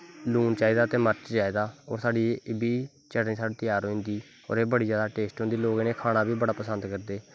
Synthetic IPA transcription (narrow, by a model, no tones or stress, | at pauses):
luːnt͡ʃaːiːd̪aːt̪eːməɾt͡ʃd͡ʒaːiːd̪aːɔ̰ːɾsaːɖiːbiː | t͡ʃəɽnĩːsaːɖeːt̪əjaːɾɦoːĩnd̪iː | ɔ̰ːɾeːbəɽiːd͡ʒjaːd̪aːʈeːsʈɦõːnd̪iːloːɡneːkʰaːɽ̃aːbiːbəɽaːpəsənd̪kəɾd̪eː